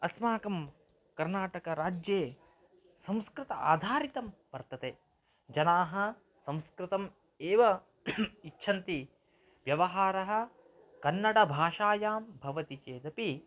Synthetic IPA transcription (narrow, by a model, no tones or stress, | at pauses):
ɐsmaːkɐm | kɐɾnaːʈɐkɐɾaːd͡ʒjeː | sɐ̃m̃skɾɪt̪ɐa̰ːd̪ʱaːɾit̪ɐmʋɐɾt̪ɐt̪eː | d͡ʒɐnaːɦɐ̆ | sɐ̃wskɾɪt̪ɐm | eːʋɐ | itːʃʰɐnt̪i | ʋjɐʋɐɦaːɾɐɦɐ̆ | kɐnːɐɽɐbʱaːʂaːjaːmbʱɐʋɐt̪it͡ʃeːd̪ɐpi